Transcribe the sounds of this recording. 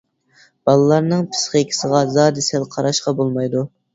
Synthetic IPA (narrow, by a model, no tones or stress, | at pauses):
b̥ɑlˠɨlˠɑɾnɨŋpʰɨ̥sχəkʲʰɪ̥səʁɑzɑːd̪ɨsælˠqʰɑɾɑʃqɑbolˠmɑjd̪u